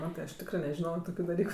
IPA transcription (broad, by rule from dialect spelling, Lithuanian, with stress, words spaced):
ˈmɑːtɜ ɐʃ ˈtʲɪkrɜ nʲɛʒʲɪˈnoːjoː ˈtoːkʲʊ dɐˈlʲiːkʊ